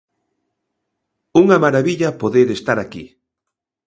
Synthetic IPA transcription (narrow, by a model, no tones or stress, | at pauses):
uŋɐmaɾaβiʎapoðeɾest̪aɾakḭ